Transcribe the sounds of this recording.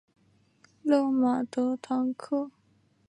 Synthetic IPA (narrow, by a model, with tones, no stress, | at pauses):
lo˥˨ma˨˩t̪o˧˥t̪ʰɑ˧˥ŋkʰɤ˥˨